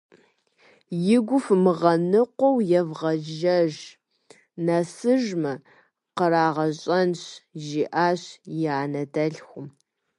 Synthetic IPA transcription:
jɪɡʷʊfmɨʁɐnɨqʷɔwjɛvʁɐʒɐʒ | nɐsɨʒmɐ | qəɾaːʁɐɕʼɐnɕʒiːʔaːɕjaːnɐdɐɮxʷʊm

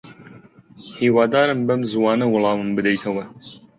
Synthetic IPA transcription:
hiːwɑːd̪aːɾɨmbɐmzwɑːnɐwʊlˠɑːmɨmbɨd̪ɛjt̪ʰɐwɐ

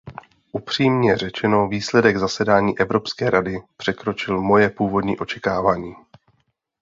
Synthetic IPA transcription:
ʔupr̝̥iːmɲɛr̝ɛt͡ʃɛno̞viːslɛdɛɡzasɛdaːɲiːʔɛvɾo̞pskɛːɾadɪpr̝̥ɛkɾo̞t͡ʃɪlmo̞jɛpuːvo̞dɲḭːʔo̞t͡ʃɛkaːvaːɲiː

